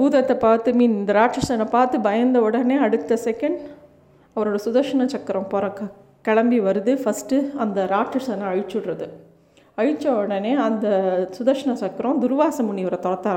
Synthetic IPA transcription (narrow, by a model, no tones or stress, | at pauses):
buːðɐt̪ːɐpaːɾt̪ɯmiːnnd̪ɐɾaːʈʂɐsɐnɐ̃paːɾt̪ɯbɐjɐnd̪ɐɔɽɐneːɐɽɯt̪ːɐsɛkɐɳɖ | ɐʋɐɾoːɽɐsʊðɐɾʂɐɳɐ̃t͡ʃɐkːɐɾõpɔːɾɐ̃kːɐ | kɐɭɐmbiʋɐɾɯðɯfɐsʈɯɐnd̪ɐɾaːʈʂɐsɐnɐ̃ɐɻɪt͡ʃːɯɽrɐðɯ | ɐɻɪt͡ʃːɐɔɽɐneːɐnd̪ɐsʊðɐɾʂɐnɐ̃t͡ʃɐkːɐɾõd̪ʊɾʋaːsɐmʊɳːiʋɐɾɐt̪ɔɽɐt̪ːaː